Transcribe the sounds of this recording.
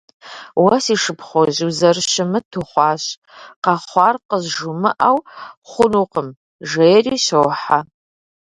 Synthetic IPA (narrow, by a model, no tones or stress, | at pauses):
wɐsiʂɨpʰχʷoʑwzɐrʃɪmɨtʰuχʷɑːɕ | qɑχʷɑrqəzʒʊmɨʔawχʷʊnuqəm | ʒejriːɕɐwħa